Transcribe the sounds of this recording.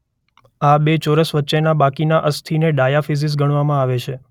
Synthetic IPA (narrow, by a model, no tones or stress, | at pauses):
abet͡ʃoɾəsʋətːt͡ʃenabakinaʔəst̪ʰineɖajafis̬is̬ɡəɽ̃ʋamãaʋet͡ʃʰe